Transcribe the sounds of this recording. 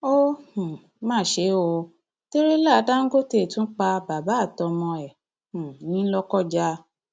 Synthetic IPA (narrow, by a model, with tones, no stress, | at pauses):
o˦hũ˨ | mãː˦˨ʃe˨˦o˧ | te˦ɾe˦la˦˨˧da˦ŋ̩˦ɡo˦te˦˨tũ˦k͡pa˧ba˨ba˨˦˨tɔ˧mɔ̃˧ɛ˨ | hũ˨nĩ˨˦lɔ˦kɔ˦˨d͡ʒa˧˦